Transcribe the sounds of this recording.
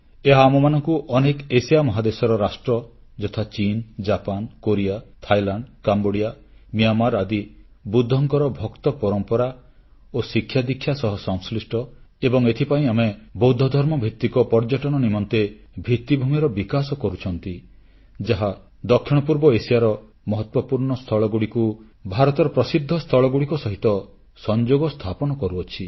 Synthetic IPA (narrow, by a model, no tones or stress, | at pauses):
eɦaːmɔmanɔŋkuʔɔnekesijamɔɦad̪esɔɾɔɾasʈɾɔd͡ʒɔt̪ʰat͡ʃind͡ʒapankoɾiat̪ʰajlaɳɖkamboɽijamiamaɾad̪i | bud̪ʱːɔŋkɔɾɔbʱɔkt̪ɔpɔɾɔmpɔɾa | osikʰːjad̪ikʰːjasɔɦɔsɔŋslisʈɔ | ebɔŋet̪ʰipaĩamebɔwd̪ʱːɔd̪ʱɔɾmɔbʱikt̪ːikɔpɔɾd͡ʒɔʈɔɽ̃ɔnimɔnt̪ebʱit̪ːibʱumiɾɔbikasɔkɔɾut͡ʃʰɔnt̪i | d͡ʒaɦa | d̪ɔkʰːjiɽ̃ɔp̬uɾbɔesijaɾɔ | mɔɦɔt̪wɔpuɾɳɔst̪ʰɔɭɔɡuɽiku | bʱaɾɔt̪ɔɾɔpɾɔsid̪ʱːɔst̪ʰɔɭɔɡuɽikɔsɔɦit̪ɔ | sɔnd͡ʒoɡɔst̪ʰapɔnɔkɔɾuɔt͡ʃʰi